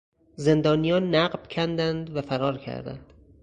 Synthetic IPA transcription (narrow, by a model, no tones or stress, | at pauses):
ze̞nd̪ɒːnijɒːnːæɢbcʰænd̪ænd̪væfæɾɒːɾcʰæ̰ɾd̪æ̰nd̪̥